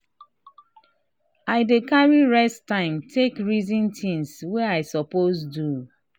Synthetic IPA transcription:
aɪdekaɹiɹɛstãɪ̃mtʰekɹizĩntĩŋsweaɪsɔposdu

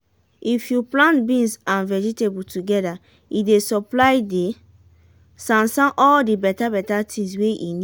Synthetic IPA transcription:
ifjuplãntbĩnsãnvɛd͡ʒitebutuɡɛda | idesɔplaɪde | sãnsãnʔɔldibɛtabɛtatʰĩŋs̬weʔḭni

